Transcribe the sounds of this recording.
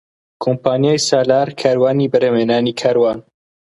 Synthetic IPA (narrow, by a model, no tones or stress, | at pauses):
kʰompʰaːnjaːjsaːlaːɾkʰaːɾwaːniːbəɾemeːnaːniːkʰaːɾwaːn